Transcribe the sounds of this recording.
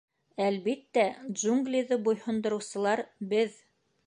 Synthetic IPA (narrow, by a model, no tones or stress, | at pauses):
ælβit̪ːæd̪ʒuŋɡlʲiðɤbujhŏnd̪ŏɾɤ̆wsɤ̆lˠɑɾbɘð